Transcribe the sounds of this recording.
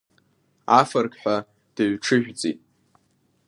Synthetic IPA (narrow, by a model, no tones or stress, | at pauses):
afɨrkħʷᶣa | d̥ɨɥʈ͡ʂʰɨʒᶣʷd͡zʼḭtʼ